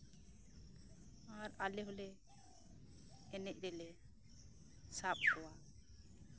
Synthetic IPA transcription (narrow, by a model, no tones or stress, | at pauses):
aɾalɛɦolɛ | ɛnɛc̚ˀɾɛlɛ | sap̚hɔwa